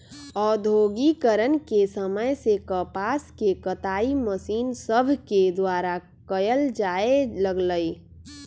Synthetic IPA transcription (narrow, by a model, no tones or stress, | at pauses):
ɔːd̪ʱoːɡikəɾənkesəməjsekəpaːskekət̪aːiməsiːnsəbʱked̪waːɾa | kəjəld͡ʒaeləɡləi